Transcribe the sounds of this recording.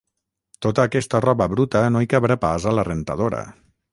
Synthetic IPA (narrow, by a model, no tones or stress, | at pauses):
t̪ot̪əːkɛst̪ərɔβəβɾut̪ənoikaβɾapazalərent̪aðoɾə̰